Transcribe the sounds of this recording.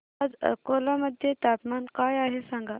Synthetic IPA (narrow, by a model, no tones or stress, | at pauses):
ad͡zkolaməd̪ʱjet̪apmankajaɦesaŋɡa